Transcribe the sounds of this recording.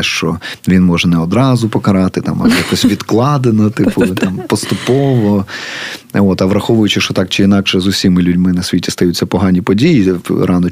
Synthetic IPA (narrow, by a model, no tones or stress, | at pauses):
ɛʃt͡ʃɔ̰ʋʲinmɔʒɛnɛɔd̪ɾɑzʊpɔkɐɾɑt̪ɪt̪ɑ̰mɐ̰jakɔsʲʋʲid̪klˠɑd̪enɐt̪ɪpʊt̪ɑmpɔst̪ʊpɔʋɔ | ot̪ɐʋɾɐxɔʋʊjʊt͡ʃɪʃt͡ʃɔt̪ɑkt͡ʃɪinɑkʃɛzʊsʲimɪlʲudʲmɪnɐsʲʋʲitʲi̥st̪ɐjutʲt͡s̪ʲːɐpɔɦɑnʲipɔdʲijiɾʔɑnɔ